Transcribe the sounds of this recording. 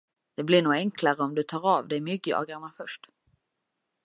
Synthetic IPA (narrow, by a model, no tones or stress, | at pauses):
d̪̥ɛblɪɳuːɛŋklaɾəɔmd̪ɵt̪ʰɑːɾɑvd̪ɛmʏɡəɑ̰ːɡaɾmafœʂʈ